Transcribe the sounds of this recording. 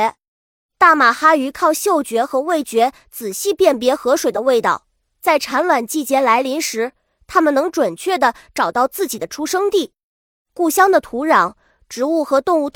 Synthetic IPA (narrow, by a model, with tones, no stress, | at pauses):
t̪a˥˩ma˨˩xa˥y˧˥kʰɑ˥˧ʊɕjo˥˩ʊt͡ɕɥɛ˧˥xɤ˧˥we˥˩ɪt͡ɕɥɛ˧˥ | t͡sɹ̩˨˩ɕi˥˧pjɛ˥˩np̬jɛ˧˥xɤ˧˥ʂwe˨˩ɪd̪ə˦we˥˧ɪt̪ɑ̰˥˩ʊ | t͡sa˥˩ɪʈ͡ʂʰa˧˥nlwa˨˩nt͡ɕi˥˩t͡ɕjɛ˥nla˧˥ɪli˧˥nʂɻ̩˧˥ | t̪ʰa˥mə˨nɤ˧˥ŋʈ͡ʂwə˨˩nt͡ɕʰɥɛ˥˩d̪ə˩ʈ͡ʂɑ˨˩ʊt̪ɑ˥˧ʊt͡sɹ̩˥˩t͡ɕi˨˩d̪ə˦ʈ͡ʂʰu˥ʂɤ˥ŋt̪i˥˩ | ku˥˩ɕjɑ˥ŋd̪ə˨t̪ʰu˧˥ɻɑ˧˥˦ŋ | ʈ͡ʂɻ̩˧˥u˥˩xɤ˧˥t̪ʊ˥˧ŋu˥˧t̪ʰ